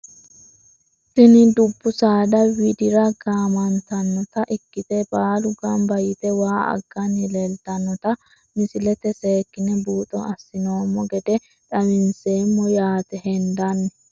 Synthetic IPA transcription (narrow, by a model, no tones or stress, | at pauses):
sɪnɪd̪ʊbːʊsaːd̪ɐwɪd̪ɪɾɐɡaːmɐnt̪ɐnːɔt̪ɐʔɪkːɪt̪ɛbaːlʊɡɐmbɐjɪt̪ɛwaːɐ̰ɡ̥ːɐnɪlelt̪ɐnːɔt̪ɐ | mɪsɪlɛt̪ɛse̞ːkːɪnɛbuːt̪ʼɔ̰ɐsːɪnoːmːɔɡɛd̪ɛ | ᶑɐmɪnseːmːɔjaːt̪ɛhɛnd̪ɐnːɛ